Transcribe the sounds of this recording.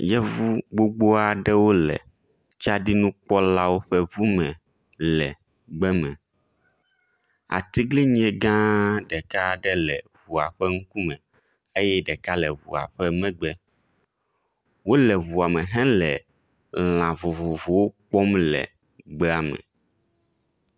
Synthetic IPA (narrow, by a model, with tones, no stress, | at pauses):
jɛ˦vu˦ɡ͡bo˦ɡ͡bo˦a˨ɖɛ˦wo˦lɛ̰˨ | t͡ʃa˦ɖi˦nũ˦k͡pɔ˦la˦wo˦ɸɛ˦βu˦mɛ̃˨ | lɛ˨ | ɡ͡bɛ˦mɛ̃˨ | a̰˨t̪i˦ɡli˦ɲĩ˦ɛ˨ɡã˦ɖɛ˨ka˦ɖɛ˦lɛ˨βu˨a̰˨ɸɛ˦ŋ̩˦ku˦mɛ̃˨ | e˦jɛ˦ɖɛ˨ka˦lɛ˨βṵ˨a̰˨ɸɛ˦mɛ̃˦ɡ͡bɛ˦ | wo˦lɛ˨βu˨a˨mɛ̃˨ɦɛ̃˦lɛ˨ | l̃ã˨vo˨vo˨vo˨wo˦k͡pɔ˦mlɛ̰˨ | ɡ͡bɛ˦a˨mɛ̰̃˨